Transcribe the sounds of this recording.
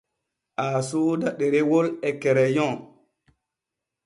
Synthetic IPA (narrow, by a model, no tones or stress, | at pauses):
ʔasodaɗeɾewolɛkɛɾɛjɔ̃